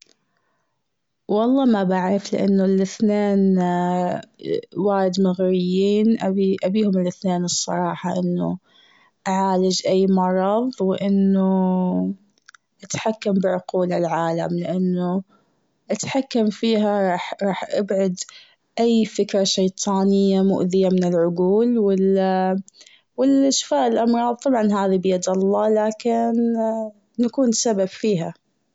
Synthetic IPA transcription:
wɑlˤːɑːmabaʕɾɪflɪ̰ʔa̰nːulʔɪθneːn | waːɾɪd̪maɣɾɪjːiːnʔaiʔabiːhʊmɪlʔɪθneːnɨsˤːɑ̰ɾˤɑːħɑʔɪnːṵ | ʔaʕaːlɪd͡ʒʔajːmɑɾˤɑðˤwɪʔɪnːu | ʔat̪ħakːambɪʕʊquːlalʕaːla̰mlɪʔanːu | ʔat̪ħakːamfiːɦaɾɑːħɾˤɑːħʔabʕʊd̪ | ʔajːfɪkɾˤɑʃajt̪ˤʰɑːnɪjːamʊ̰ʔðɪjamɪnɪlʕʊɡuːlwɪl | wɪlʔaʃfaːʔɪlʔɑmɾˤɑːðˤt̪ˤɑbʕɑnɦaːðibɪjɑd̪ɑlˤːɑlaːkɪnː | akuːnsababfiːɦa

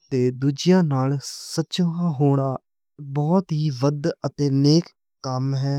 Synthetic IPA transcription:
t̪eːd̪uːd͡ʒɪjãːnaːlsətːʃõːãːɦoːɽ̃aː | bɔːt̪ɦiːʋəd̪ət̪eːneːkː | əmɦɛː

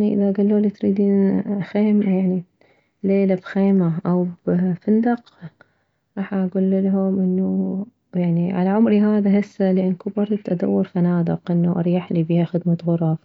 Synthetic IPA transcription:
aniʔɪ̰ðaɡalːuːlit̪ɾiːd̪iːnxeːmjaʕni | leːlabxeːmaʔawbfɪnd̪ɑq | ɾˤɑːħʔaɡuːlːlaɦʊmʔɪnːu | jaʕniʕa̰laʕʊmɾiɦaːðaɦɪsːalɪʔanːkʊbɑɾˤd̪ʔad̪a̰wːɑɾˤfanaːd̪ɪ̰qʔɪnːuʔɑ̰ɾˤjaħlibihaxɪd̪mat̪ɣʊɾˤɑ

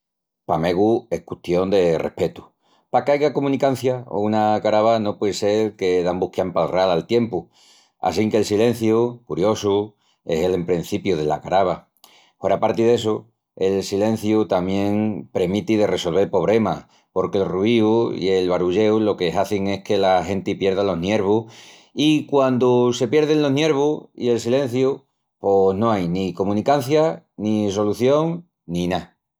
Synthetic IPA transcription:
pame̞ɣue̞hkut̪jo̞nd̪e̞rehpe̞t̪u̥ | pakeajɣakomũnikan̟θjao̰unakaɾaβano̞pweðese̞lke̞ðambuhkjampalralalt̪je̞mpu | a̰s̬iŋkelsilẽ̞n̟θjukuɾjo̞su | e̞se̞lempɾen̟θipjuðe̞la̰kaɾaβa | oɾapaɾt̪iðe̞s̬u | e̞lsilẽ̞n̟θjut̪amjẽ̞ŋpɾemit̪iðe̞re̞so̞lβe̞ɾpo̞β̞ɾe̞ma̰ | po̞ɾkelruiuḭe̞lβaɾuʎe̞wlo̞ke̞ɦaθiŋe̞hke̞lahe̞nt̪ipje̞ɾðalo̞ɦnje̞ɾβuh | ikwand̪use̞pje̞ɾðe̞ŋlo̞ɦnje̞ɾβuḭe̞lsilẽ̞n̟θju | po̞nõ̞ajniko̞mũnikan̟θja | nis̬o̞luθjo̞ŋ | nina

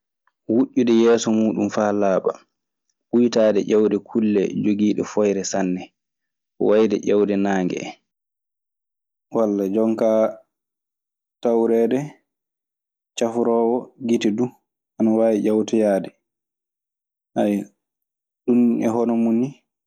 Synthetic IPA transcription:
wuʔːuɗɛjɛːsɔmuːɗumfaːlaːɓa̰ | ʔujtaːdɛ̰ʔawdɛkʰulːɛ̰d͡ʒoɡiːɗɛ̰fɔjɾɛsanːɛ | wajdɛʔɛwdɛnaːŋɡɛ̰ | walːad͡ʒɔŋka | tawɾɛdɛ | t͡ʃafuɾɔːwɔɡitidu | ʔanawaːjiʔawtɛjaːdɛ | ʔaj | ɗunɛ̰ɦɔnɔmuni

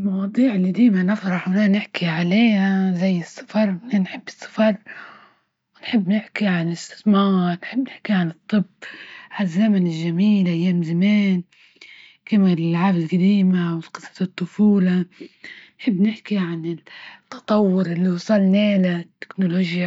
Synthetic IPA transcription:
lmɑwɑːd̪ˤiːʕɪlːid̪iːmanɪfɾˤɑħwnanɪħkiʕaleːhazajːɨsːɑ̥fɑɾˤnanħɪbːɨ̥sˤːɑ̥fɑɾˤ | wɪnħɪbːnɪħkiʕanlɪst̪ɪ̥θmɑːɾˤnħɪbːnɪħkiʕanɨt̪ˤːɨbʕazːamanɪlʒamiːlʔajːaːmzameːn | kɪmalɪlʕaːbɪlqad̪iːmawɪlqɨsˤːɑ̥ɨt̪ˤːʊfuːla | nħɪbːnɪħkiʕanɪt̪ːɑ̥t̪ˤɑwːʊɾʔɪlːiwsˤɑlneːlat̪ːɪ̥knoloːʒja

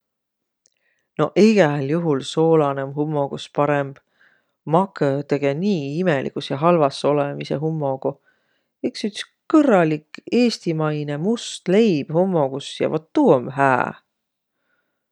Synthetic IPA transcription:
no̞̰ʔiɡ̥ɛljuɦulso̞ːlɑnemɦumːoɡ̥uspɑɾemb̥ | mɑkːˑøt̪e̞ɡ̥e̞niːimelʔḭkusjɑɦɑlvɑsːo̞lemise̞ɦumːo̞ɡ̥u | eksyt̪s | kɤrɑlike̞ːst̪imɑjne̞must̪le̞jb̥homːo̞ɡ̥usjɑ̰vot̪ːuːomɦæ̰ː

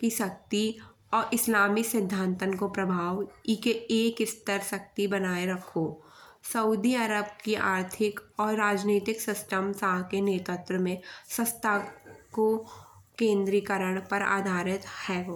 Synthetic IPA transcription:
kiʃɐk̚t̪i | ɔːɾʔɪslaːmisɪd̪ʱːãːnt̪ənkopɾɐbʱaːʋikeeːkɪst̪əɾʃɐk̚t̪ibɐnaːeɾɐkʰo | səuːd̪iəɾəbkiʔaːɾt̪ʰɪkɔːɾːaːd͡ʒneːt̪ɪksɪsʈəmsaːɦkeneːt̪ət̪ɾəmẽsə̃st̪ʰako | kẽːnd̪ɾikəɾəɽ̃pɐɾa̰ːd̪ʱaːɾɪt̪hɛːɦoː

